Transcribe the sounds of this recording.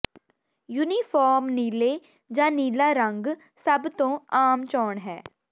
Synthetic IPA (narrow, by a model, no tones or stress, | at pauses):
juːniːfʰɔːɾmniːleː | d͡ʒãːniːlaːɾəŋɡ | səbt̪õːaːmt͡ʃɔːɳɦɛː